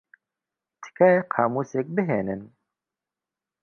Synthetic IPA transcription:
t̪kæqʰɑːmusek̚bəɦenən

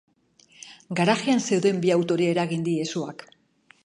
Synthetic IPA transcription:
ɡaɾaɣianse̞uðe̞mbiawt̪o̞ɾie̞ɾaɣind̪ie̞suak

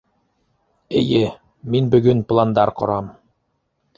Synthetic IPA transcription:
ɘ̆jɘ | minbɵ̆ɡɵnplˠand̪ɑɾqŏ̰ɾɑm

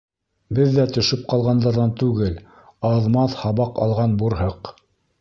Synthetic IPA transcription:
bɘðːæt̪ɵ̆ʃɵp̚qɑlˠʁɑnd̪ɑɾðɑnt̪ʉɡɘl | ɑðmɑθhɑβɑqɑ̰lˠʁɑnbuɾɦɤq

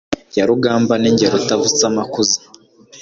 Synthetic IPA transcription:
jaɾuɡaːmbaniɲɟeɾutavut͡samakuzi

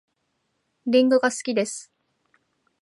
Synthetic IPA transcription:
ɾʲĩŋɡɯ̟ɡasɨ̥kʲid̪e̞sɨ̥

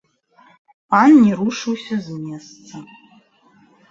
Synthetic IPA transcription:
panːʲiɾuʂɨwsʲɐzmʲest̪t͡s̪ɐ

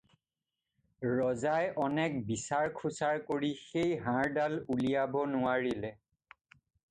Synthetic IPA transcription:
ɹɔzajʔɔnɛk̚bisaɹkʰusaɹkoɹixejɦãɹdalulijabɔnʊwaɹilɛ

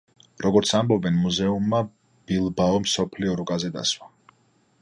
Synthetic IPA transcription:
ɾɔɡɔɾt̪sʰambɔbɛnmuzɛumːa | b̥ilˠbaɔmsɔpʰliɔɾukʼazɛd̪a̰swa

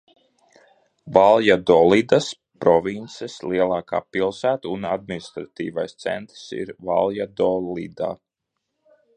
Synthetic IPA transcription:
valˠjad̪ɔlˠid̪as | pɾɔvint̪sesliɛlˠɑːka̰ːpilˠsæːt̪unad̪̚minist̪ɾat̪iːvajst̪sɛ̰nt̪ɾsḭɾva̰lˠjad̪ɔlḭd̪a̰ː

